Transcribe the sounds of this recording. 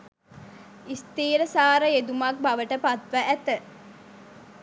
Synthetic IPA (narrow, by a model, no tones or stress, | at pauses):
ist̪iːɾəsaːɾəed̪umak̚baʋəʈəpat̪ʋæʔæt̪ə